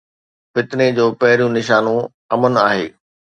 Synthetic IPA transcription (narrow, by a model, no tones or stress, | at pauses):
fɪt̪ned͡ʑoːpɐɦɪɾjũnɪʃaːnõ | ɐmənaːɦḛː